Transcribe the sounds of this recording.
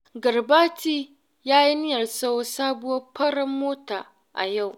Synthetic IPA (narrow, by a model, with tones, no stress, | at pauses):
ɡɐ˨ɾbaː˦tiː˦ | jaː˦ji˦nɪ˦jɐ˨rsa˦wsaː˦bʊ˦ɐ˦pʰɐ˦ɽɐ˦mːoː˦ta̰ː˨ | ʔa̰˨ja˦˨w